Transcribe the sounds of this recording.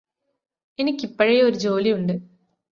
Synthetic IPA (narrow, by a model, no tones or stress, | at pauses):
e̞nikʲːipːɐɻejoɾud͡ʑo̞ːlijuɳɖɨ